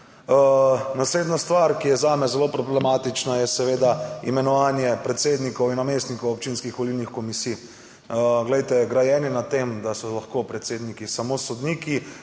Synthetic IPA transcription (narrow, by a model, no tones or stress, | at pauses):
nasleːd̪nast̪ʋaɾkijɛzaːmɛzɛlopɾɔblɛmat̪it͡ʃnajɛsɛʋeːd̪aḭmɛnɔʋaːnjɛpɾɛt̪seːd̪nikɔwinːameːst̪nikowɔp̚t͡ʃinskixʋɔlilnixkɔmisij | ɡlɛjt̪ɛɡɾajɛninat̪emd̪asɔlaxkopɾɛt̪seːd̪nikisamosɔd̪niki